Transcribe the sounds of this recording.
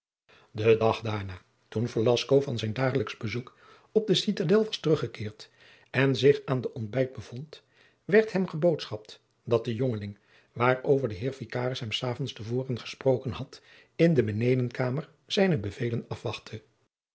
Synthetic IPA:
dədɑχdaːɹnaː | tunfolɑskowvɑnzɛjndaːχələkzbəzuk | ɔb̚dəsitadɛlˠʋɑstərɵχəkɪːɹt | ɛnzɪχaːndəʔɔnd̚bɛjd̚bəvɔnt | ʋɛɹtɦɛmχəbowtsχɑp̚t | d̥ɑt̚d̥əjoŋəlɪŋ | ʋaːɹowvəɹdəɦɪːɹvikaːrəsɦɛmsaːvɔnstəvʊːrənχə̥sprowkənɦɑt | ɪndəmənejdənkaːməɹ | z̥ɛjnəbəvejlənɑfʋɑχtʰə

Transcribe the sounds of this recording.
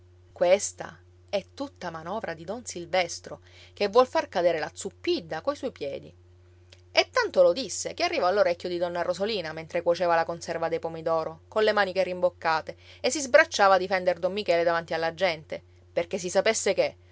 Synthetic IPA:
kwest̪a̰ | ɛt̪ːut̪ːamanɔːvɾad̪id̪ɔnsilvɛst̪ɾo | kevːwɔlfarkad̪eːɾelat̪supːid̪ːakoiswɔjpjɛːd̪ḭ | et̪ːant̪olod̪isːekearːivɔalːoɾɛkʲːjod̪id̪ɔnːarozoliːnament̪ɾekwot͡ʃeːvalakonsɛrvad̪ejpomid̪ɔːɾokonlemaːnikerimbokːaːt̪eesːizbɾat͡ʃːaːvad̪ifɛnd̪erd̪omːikɛːled̪avant̪ialːad͡ʒːɛnt̪e | perkes̬isapesːeke

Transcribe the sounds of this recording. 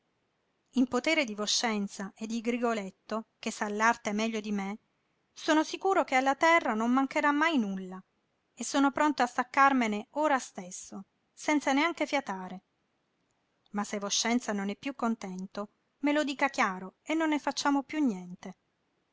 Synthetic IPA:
impot̪eːɾed̪ivoʃːɛnt̪saʔed̪ːiɡɾiɡolet̪ːok̟esːalːart̪ɛmːɛʎːod̪ime | soːnosikuːɾokealːat̪ɛrːanomːaŋkeɾamːajnulːa | esːoːnopɾont̪oast̪akːarmeneoːɾast̪esːo | sɛnt̪saneaŋkefjat̪aːɾe | masːevoʃːɛnt̪sanonɛpːjukːont̪ɛnt̪o | melod̪iːkak̟jaːɾoenːonːefat͡ʃːaːmopjunːjɛnt̪e

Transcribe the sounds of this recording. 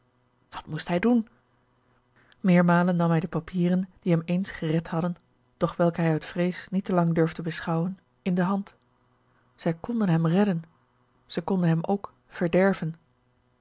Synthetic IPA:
ʋɑ̥tmustɦɛjdun | mɪːɹmaːlənːɑmɦɛjdəpapʰiːrənd̥iɦɛmejnsχərɛthɑdən | d̥ɔχʋɛlˠkəɦɛjətfrejsnitəlɑŋdøɹvdəbəsχɑwən | ɪndəɦɑnt | z̥ɛjkɔndənɦɛmrɛdən | z̥ɛjkɔndənɦɛmowk | fəɹdɛɹvən

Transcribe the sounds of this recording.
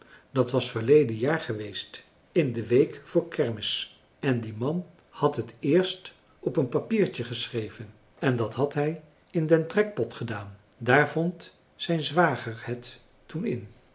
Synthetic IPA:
dɑtʋɑsfəɹlejdənjaːɹχəʋejst | ɪndəʋejkfʊːɹkʰɛɹmɪs | ɛndimɑn | hɑtɦətɪːɹst | ɔpənpapiːɹtəχəsrejvən | ɛndɑtɦɑtɦɛj | ɪndɛntrɛk̚pɔtχədaːn | daːɹvɔnt | sɛjnzʋaːχəɹhɛtː | unɪ̰n

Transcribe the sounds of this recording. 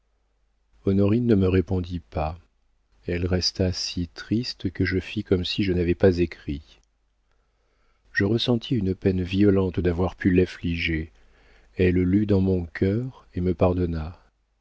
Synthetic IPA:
ɔnɔʁinːəməʁepɔ̃d̪ipa | ɛlʁɛst̪asit̪χist̪kəʒəfikɔmsiʒənavɛpazekχi | ʒəʁəsɑ̃t̪ʰiynpɛnviɔlɑ̃t̪d̪avwaʁpʰylafliʒe | ɛllyd̪ɑ̃mɔ̃kʲʰœʁeməpaʁd̪ɔna

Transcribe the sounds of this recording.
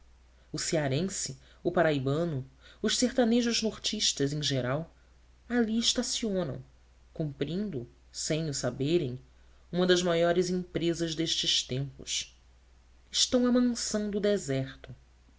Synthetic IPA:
ʊsiaɾẽsɪ | ʊpaɾaibɐ̃nʊʊʃseχt̪aneʒʊʒnoɾt͡ʃiʃt̪ɐzẽj̃ʒeɾaw | aliɪʃt̪asiõnɐ̰̃w̃ | kũmpɾĩnd̪ʊ | sẽj̃ʊsabeɾẽj̃ | ũmɐd̪ɐzmajɔɾɪzĩmpɾezɐzd̪eʃt͡ʃɪʃt̪ẽmpʊ̰ʃ | ɪʃt̪ɐ̃w̃ɐmɐ̃ŋsɐ̃w̃d̪ʊd̪ezɛχt̪ʊ

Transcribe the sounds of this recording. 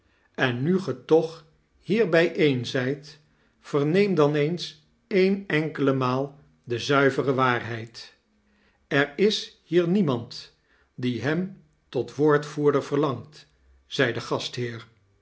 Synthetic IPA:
ɛnːyχətɔχ | hiːɹbɛjʔejnzɛjt | fəɹnejmdɑnejns | ejnɛŋkələmaːlˠ | dəzœɥvərəʋaːɹɦɛjt | ɛɹɪshiːɹnimɑnt | diɦɛm | tɔtʋoːɹtfuːɹdəɹv̥əɹlɑŋt | z̥ɛjdəχɑstɦɪːɹ

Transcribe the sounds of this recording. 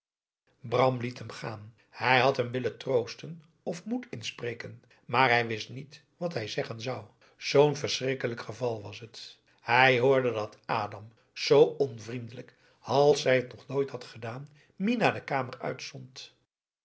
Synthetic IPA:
brɑmlitɦəmχa̰ːn | hɛjɦɑtɦəmʋɪləntrowstən | ɔfmutɪnsprejkən | maːɹɦɛjʋɪstnit | ʋɑtɦɛjzɛχənzɑw | z̥ownvəɹsrɪkələkχəvɑlˠʋɑsɦət | hɛjɦoːɹdədɑtaːdɑm | z̥owɔnvrindələk | ɑlˠsɦɛjətnɔχnoːjthɑtχədaːn | ʋinaːɹdəkaːmərœ̰ɥtstɔnt

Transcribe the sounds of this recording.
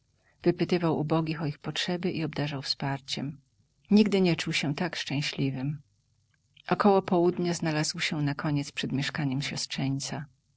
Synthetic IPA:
v̥ɘpɘt̪ɘvawʔubɔɡʲixɔixpɔtʂɛbɘʔiɔbd̪aʐawfspaɾt͡ɕɛ̰m | ɲiɡd̪ɘɲɛt͡ʂuwɕɛt̪akʂt͡ʂɛ̃w̃ɕlʲivɘm | ʔɔkɔwɔpɔwud̪ɲaznalazwɕɛnakʰɔɲɛt̪spʂɛd̪mʲjɛʂkaɲɛmɕɔstʂɛɲt̪sa

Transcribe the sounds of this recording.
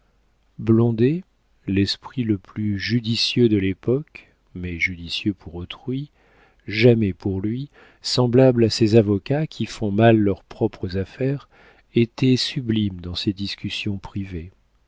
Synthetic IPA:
blɔ̃d̪e | lɛspχiləplyʒyd̪isjød̪əlepɔk | mɛʒyd̪isjøpʰuʁot̪χɥi | ʒamɛpuʁlɥi | sɑ̃blablasezavɔkakʲʰifɔ̃malːœʁpχɔpχəzafɛʁ | et̪ɛsyblimd̪ɑ̃sed̪iskʲysjɔ̃pχive

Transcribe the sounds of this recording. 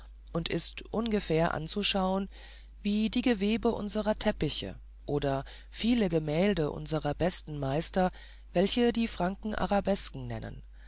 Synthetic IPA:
ʔʊntɪstʔʊnɡəfɛːɐʔa̰nt͡suʃaʊən | viːdiːɡəveːbəʔʊ̰nzəʁɐtʰɛpɪçə̰ | ʔoːdɐ | fiːləɡəmɛːldəʔʊ̰nzəʁɐbɛstn̩maɪstɐ | vɛlçədiːfʁ̥aŋkŋ̩ʔa̰ʁabɛskŋ̩nɛ̰nə̰n

